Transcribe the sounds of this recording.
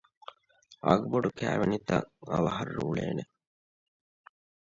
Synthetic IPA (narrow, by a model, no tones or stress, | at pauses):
ɐɡboɖukæːʋenit̪ɐŋɐʋɐɦɐrːuːɭeːne